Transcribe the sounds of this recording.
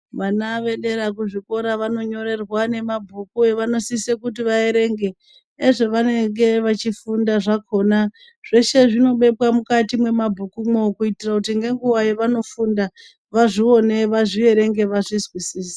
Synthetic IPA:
ʋanaʋe̞ɗe̞ɾak̬uʐiko̞ɾaʋano̞ɲo̞ɾe̞rwane̞mabʱukueʋano̞sisekutiʋae̞ɾe̞ŋɡe̞ː | ʐoʋane̞ŋɡe̞ʋat͡ʃifundaʐakʰo̞na | ʐ̥e̞ʃe̞ʐino̞ɓe̞pwamukatimwe̞mabʱukumokuitirakutiŋɡe̞ŋɡuwajeʋano̞funda | ʋaʐio̞ne̞ʋaʐie̞ɾe̞ŋɡe̞ʋaʐizwisiːsḁ

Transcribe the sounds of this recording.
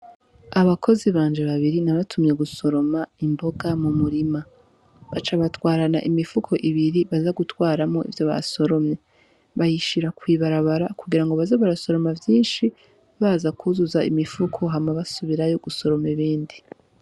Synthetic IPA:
aβakʰo̞ziβaːnd͡ʒe̞βaβiɾinaβatʰumɲe̞ɡuso̞ɾo̞maimbo̞ɡamumuɾima | βat͡ʃaβatwaːɾanaʔimifukʰo̞ʔiβiɾiβazaɡutwaːɾamo̞ʔḭvjo̞βa̰so̞ɾo̞mɲe̞ | βajiʃiɾakwiːβaɾaβaɾakuɡiɾaŋɡoβazaβaɾaso̞ɾo̞mavjiːnʃi | βaːzakʰuzuzaimifukʰo̞ɦamaβasuβiɾajoɡuso̞ɾo̞meβiːndi

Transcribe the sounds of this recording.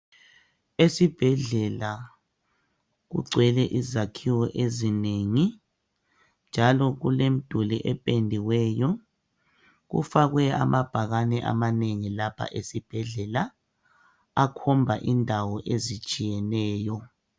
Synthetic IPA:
esib̥ʱɛɮɛla | ɣṵɡ͡ǀʱwɛlɛʔizakʰiwɔʔezineŋi | nd͡ʒʱalɔɣulem̩d̥ʱuliʔɛpʼendʱiwɛːjɔ | ɣṵfaɣwɛa̰mab̥ʱaɣanɛʔa̰maneŋilapʰa̰ʔesib̥ʱɛɮɛla | akʰɔmbʱaʔindʱawɔʔezit͡ʃʼijɛnɛːjɔ

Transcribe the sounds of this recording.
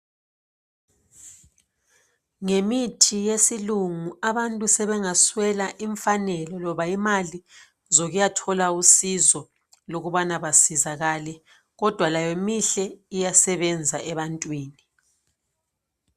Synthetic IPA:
ŋemitʰijesiluŋuaβantʼusɛβɛŋaswɛlaʔiɱfanɛlɔlɔβaimali | zoɣujatʰɔlausizɔ | loɣuβanaβasizaɣalɛ | ɣɔd̥ʱwalajomiɬɛijasɛβɛnd͡zʱaʔɛβantʼwiːni

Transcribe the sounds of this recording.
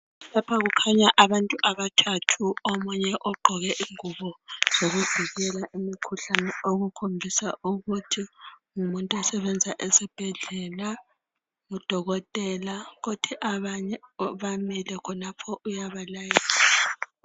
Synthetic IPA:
lapʰaɣukʰaɲaʔaβantʼuʔaβatʰatʰuomuɲɛʔɔɡ͡ǃʱɔɣɛʔiŋuβɔz̥oɣuv̥ʱiɣɛlaʔimikʰuɬanɛoɣukʰombʱisa̰uɣutʰiŋumuntʼuɛsɛβɛnd͡zʱaʔesib̥ʱɛɮɛla | ŋud̥ʱɔɣɔtʼɛlaɣotʰiʔaβaɲɛɔβamilɛkʰɔnapʰɔʔujaβalajiːlaa

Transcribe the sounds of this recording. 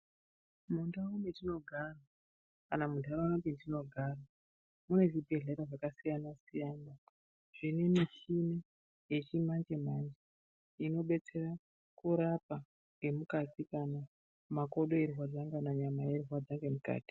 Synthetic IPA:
mundaumetino̞ɡʱara | kanamudʱaɾaanatintino̞ɡʱaːra | mune̞ʐibʱe̞ɮeɾaʐakasijanasijaːna | ʐ̥ine̞miʃine̞ | je̞t͡ʃimand͡ʒe̞mand͡ʒe | ino̞ɓe̞t͡se̞ra | kuɾapa | ŋɡe̞mukatikana | mako̞ɗo̞erɦwad͡zaŋɡanaɲamaje̞riwad͡zaŋɡe̞muka̰ːti̥

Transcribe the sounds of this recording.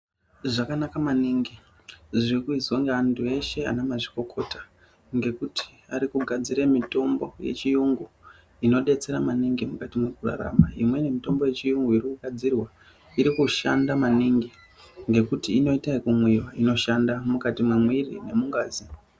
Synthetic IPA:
ʐakanakamaniŋɡi | ʐirikuizoŋɡeantʰue̞ʃe̞a̰nemaʐiko̞kʰo̞tḁ | ŋɡe̞kuti̥aɾikuɡʱad͡ziɾemito̞mbo̞̰je̞̰t͡ʃijuŋɡu | ino̞ɗe̞t͡se̞ɾamaniŋɡimukatimwekura̰ɾa̰maimwe̞ne̞mito̞mbo̞je̞t͡ʃijuŋɡuirikuɡʱad͡zirwa | iɾikuʃa̰ndamaniŋɡi | ŋɡe̞kutiːno̞itaikumwiwaino̞ʃandamukatimwemwirḭne̞muŋɡaːzi

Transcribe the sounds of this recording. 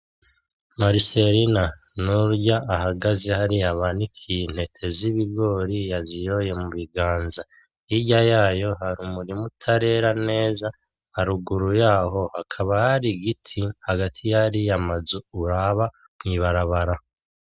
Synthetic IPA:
maɾiseɾina | nuɾɟaːɦaɡaze̞haɾiaβanikʰin̥he̞tʰe̞ziβiɡo̞ːɾijazijo̞je̞muβiɡaːnza | iɟajaːjo̞haɾumuɾimutʰaɾe̞ɾane̞ːza | haɾuɡuɾujaːɦo̞hakʰaβahaɾiɡitʰihaɡatʰijaɾijamazuuɾaβa | mŋiːβaɾaβaɾa

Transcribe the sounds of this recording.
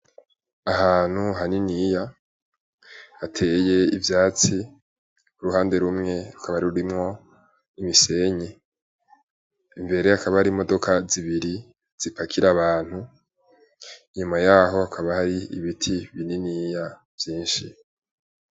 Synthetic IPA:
aɦaːn̥huɦaninija | atʰe̞je̞ivjaːt͡si | kuɾuhaːnde̞ɾumŋe̞ɾukʰaβaaɾiɾuɾimŋo̞ | imise̞ɲe | imbe̞ɾe̞akaβahaɾimo̞do̞kʰaziβiɾi | z̥ipakʰiɾaβaːn̥hu | iɲumajaːɦo̞akʰaβahaɾiḭβitʰiβininiːja | v̥jiːnʃi

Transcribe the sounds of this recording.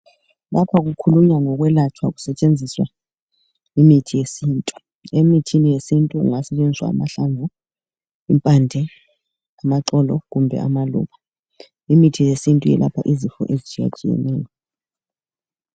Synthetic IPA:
lapʰaɣ̬ukʰuluɲaŋɔɣ̬wɛlat͡ʃʰwaku̥sɛt͡ʃʼend͡zʱiswa | imitʰijesiːntʼu̥ | emitʰinijesintʼuṵŋasɛt͡ʃʼend͡ziswa̰ːmaɬaɱvu | impʼandʱɛ | amaǁɔlɔɣumbʱɛ̰a̰malṵːɓa | imitʰijesintʼujɛ̰lʔapʰaʔizifɔ̰ʔezit͡ʃʼija̰t͡ʃʼijɛ̰nɛ̰ːjɔ

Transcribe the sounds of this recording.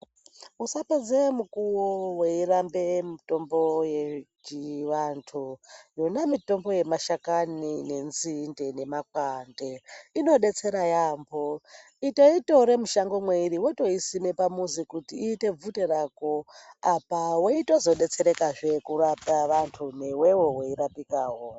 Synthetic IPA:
usaped͡zemukuwoweirambe̞mito̞mbo̞jet͡ʃiʋantʰujonamito̞mbo̞je̞maʃakanine̞nzinde̞ne̞makwande̞ino̞ɗe̞t͡se̞ɾajambo | ito̞itoɾe̞muʃaŋɡomweiɾiwoto̞isime̞pamuzikutiːte̞b͡vute̞ɾaːko̞apawoito̞zo̞ɗe̞t͡se̞ɾe̞kaʐe̞kuɾapaʋantʰunewewowoiɾapikaːɦo

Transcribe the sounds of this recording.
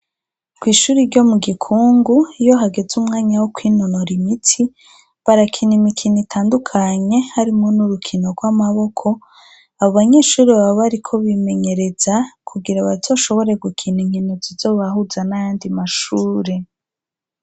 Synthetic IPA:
kwiːʃuːɾiɾɟo̞muɡikʰuːŋɡuijo̞ɦaɡe̞zumŋaːɲawokwiːnonoɾimitʰi | βaɾakʰinimikʰinitʰaːndukʰaɲe̞haɾimo̞nuɾukʰino̞ɾɡwamaβo̞kʰo̞ | aβoβaɲe̞ːʃuːɾiβaβaβaɾikʰo̞βime̞ɲe̞ɾe̞z̥akʰuɡiɾaβazo̞ʃo̞βo̞ɾe̞ɡukʰiniɲinozizo̞βahuzanajaːndimaʃuːɾe̞

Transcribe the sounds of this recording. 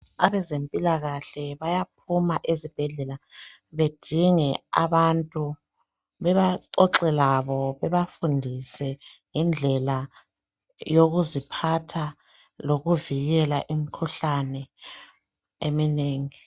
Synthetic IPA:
aβɛzempʼilaɣaɬɛβajap̚ʰumaʔezib̥ʱɛɮɛla | βed̥ʱiŋɛa̰βantʼu | βɛβaǁɔǁɛlaβɔβɛβafundʱisɛjind͡ɮʱɛla | joɣuzipʰatʰa | loɣuviɣɛlaʔimikʰuɬanɛ | emineːŋi

